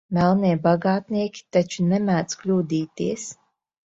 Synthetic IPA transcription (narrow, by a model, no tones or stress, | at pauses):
mɛlˠniɛbaɡaːt̪niɛkʲi̥t̪at͡ʃunɛmæːd̪sklʲuːd̪iːt̪iɛs